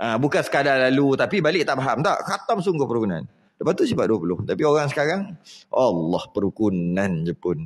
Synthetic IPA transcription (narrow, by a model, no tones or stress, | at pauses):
ʔabukansə̥kadalalut̪apibalɪʔ̚t̪aʔbaɦamt̪a̰ʔkat̪amsuŋɡʊhpəɾukuna̰n | dəpat̪usifaduapulʊht̪apioɣaŋs̬ə̥kaɾaŋʔalːɑhpəɾukunand͡ʒəpʊn